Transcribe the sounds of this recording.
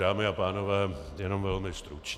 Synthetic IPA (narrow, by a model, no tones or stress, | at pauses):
aːmɪapaːnovɛː | jɛno̞mvɛlmɪst̪ɾut͡ʃ